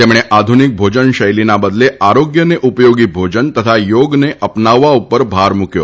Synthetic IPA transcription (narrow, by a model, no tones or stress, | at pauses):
t̪emɽ̃eʔad̪ʱunik̚bʱod͡ʒənʃəjlinabəd̪leʔaɾoɡjəneʔupjoɡibʱod͡ʒənt̪ət̪ʰajoɡneʔəpnaʋːaupəɾbʱaɾmukjo̰